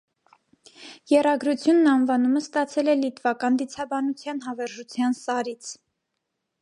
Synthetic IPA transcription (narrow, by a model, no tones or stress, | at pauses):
jɛrɑɡɾut͡sʰjunːɑnvɑnuməst̪ɑt͡sʰɛlɛlit̪vɑkɑnd̪it͡sʰɑbɑnut͡sʰjɑnɦɑvɛɾʒut͡sʰjɑnsɑɾit͡sʰ